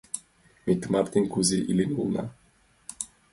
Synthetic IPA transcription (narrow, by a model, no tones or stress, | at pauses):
mit̪maɾt̪inkuziʔilinulˠna̰